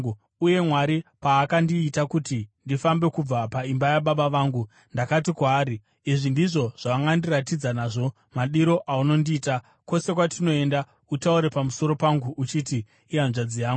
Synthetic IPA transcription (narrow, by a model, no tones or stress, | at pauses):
uje̞mwaɾipaːkandiːtakutindifambe̞kub͡vapaimbajaɓaɓaʋaːŋɡu | ndakatikwaːɾi | iʐindiʐo̞ʐ̥aʋaŋɡandirat̬id͡zanaːʐo̞ | maɗiɾo̞ʔauno̞ndiːta | ko̞se̞kwatino̞e̞nda | utauɾe̞pamuso̞ɾo̞paŋɡuʔːt͡ʃitiː | anʐad͡zijaːŋɡu